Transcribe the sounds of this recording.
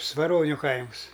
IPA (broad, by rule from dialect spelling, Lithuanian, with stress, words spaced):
sʋɐˈroːnʲʊ ˈkɐɪms